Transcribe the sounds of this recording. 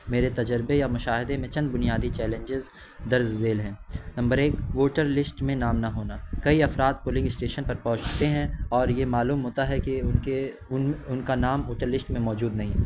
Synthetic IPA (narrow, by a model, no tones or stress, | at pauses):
meːɾet̪ɐd͡ʒəɾbejamʊʃaːɦɪd̪emẽt͡ʃɐ̃nd̪bʊnijaːd̪it͡ʃɛːlẽɲd͡ʒɪz | d̪ɐɾzːeːlɦɛ̃ːnɐ̃mbəɾeːkʋoːʈəɾlɪsʈmẽnaːmnɐɦoːnakɐiɐfɾaːd̪̚poːlɪ̃ŋɡɪsʈeːʃənpɐɾpɔ̃ːʊt͡ʃt̪eɦɛ̃ɔːɾjemaːluːmɦoːt̪aɦɛkee | ʊnkanaːmʋoːʈəɾlɪsʈmẽmɔːd͡ʒuːd̪̚nɐɦĩː